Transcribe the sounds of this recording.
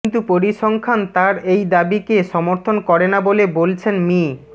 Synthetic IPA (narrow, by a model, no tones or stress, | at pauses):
nt̪upoɾiʃɔŋkʰant̪aɾejd̪abikeʃɔmoɾt̪ʰonkɔɾenabolebolt͡ɕʰenmi